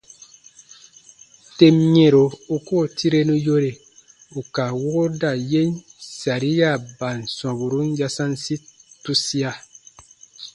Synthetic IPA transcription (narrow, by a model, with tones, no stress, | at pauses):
te˦mɲẽ˨ɾo˨u˨ko˦˨ti˦ɾe˦nũ˦jo˦ɾe˨ | u˨ka˨wo˦ɡo˦da˨je˦nsa˨ɾi˦ja˦˨ba˨n˨sɔ̃˨bu˨ɾu˦n˦ja˧sã˦nsi˦tu˦si˦a˧